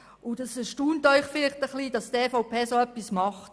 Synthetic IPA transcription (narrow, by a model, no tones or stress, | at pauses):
ʊdɛsɛʃtuːntœʏχfɪlɪχtəχliːd̥ɑsteːfaʊpʰeːsoœpːismɑχt